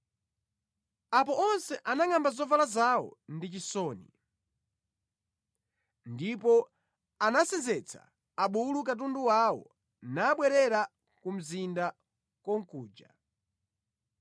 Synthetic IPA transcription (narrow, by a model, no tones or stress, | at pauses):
ap̬ɔʔɔnsɛʔanaŋambazɔvalazawɔ̰ndit͡ʃisɔːnḭ | ndipɔ | anasɛnzɛt͡sʰa̰ː | ɓuluk̬at̬unduwawɔ̰ | naːɓwɛɾɛɾa | kum̩zinda | kwɔŋ̩kuːd͡ʒa